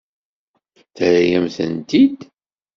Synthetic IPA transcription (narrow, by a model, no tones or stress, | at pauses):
θəɾæjæmθə̰nt̪id̪